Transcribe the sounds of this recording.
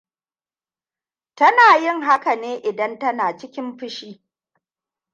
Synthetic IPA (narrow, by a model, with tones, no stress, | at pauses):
tɐ˦naː˨jɪ˦˨ŋɦa˦ka˨neː˦ʔɪ˨dɐ˦ntɐ˦naː˨t͡ʃɪ˦kʲɪ˦mɸɪ˦ʃiː˦